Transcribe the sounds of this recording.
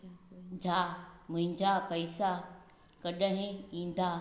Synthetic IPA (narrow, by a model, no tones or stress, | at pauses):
d͡ʑʱaːmʊ̃ɦɪ̃ɲd͡ʑapɐɪsa | kɐɗəɦɪ̃ĩːn̆d̪aː